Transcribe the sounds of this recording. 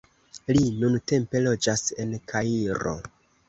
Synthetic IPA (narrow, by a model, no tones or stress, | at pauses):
linunte̞mpe̞lo̞d͡ʒase̞nkʰaiɾo̞̰